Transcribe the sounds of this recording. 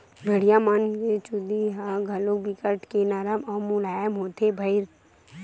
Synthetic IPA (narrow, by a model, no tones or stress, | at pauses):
bʱeɽijamanket͡ʃud̪iɦaɡʱɐlobɪkəʈkenaɾəmɐmulaːjəmɦoːt̪ʰebʱɐɪɾ